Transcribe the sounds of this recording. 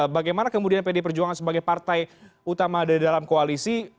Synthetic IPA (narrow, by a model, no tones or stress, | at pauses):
baɡajmanakəmudianpedep̬ərd͡ʒuaŋansəbaɡajpart̪ajut̪amadaidalamkoalisi